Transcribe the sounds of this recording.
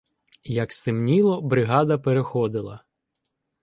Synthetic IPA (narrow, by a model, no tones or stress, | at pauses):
jɐkst̪ɪmnʲilˠɔbɾɪɦɑd̪ɐpeɾexɔd̪ɪlˠɐ̰